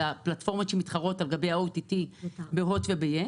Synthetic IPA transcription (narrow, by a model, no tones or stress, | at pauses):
aplatfo̞ʁmotʃemitχaʁo̞talɡabe̞jaowtitibeɦotvebeje